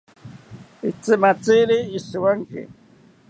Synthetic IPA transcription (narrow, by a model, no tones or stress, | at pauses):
ɪt͡sɪmat͡siliɪswaŋkɪ̰